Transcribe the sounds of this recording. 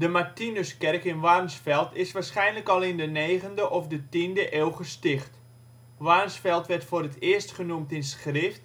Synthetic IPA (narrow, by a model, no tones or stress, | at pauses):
dəmartinøskɛrkɪnʋarmsfɛlˠtɪsʋaːɹsχɛjnləkɔlˠɪndəneːɣəndəʔɔfdətindəʔeːlˠχəstɪxt | ʋarmsfɛlˠtʋɛrtfoːrətɪːəstχənumtɪnsχrɪft